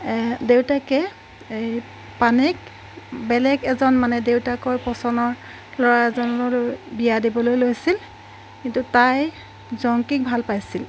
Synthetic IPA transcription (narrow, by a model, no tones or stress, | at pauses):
dewtakɛ | e | panɛk | bɛlɛɡɛzɔnmanɛdewtakɔjpɔsɔnɔɹ | lɔɹaɛzɔnlɔlojbijadibɔlojlojsil | kintutaj | zɔŋkik̚bʱalpajsil